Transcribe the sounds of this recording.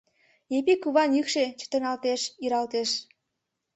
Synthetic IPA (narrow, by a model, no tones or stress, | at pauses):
epikuβɑnjykʃet͡ɕə̥t̪ə̆nɑlt̪eʃiɾɑlt̪eʃ